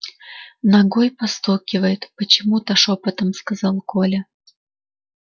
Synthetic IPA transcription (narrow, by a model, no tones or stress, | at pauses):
nɐɡojpɐst̪okʲɪvəjɪt̪pət͡ɕɪmut̪aʂopət̪əmskɐzɑlˠkʰolʲə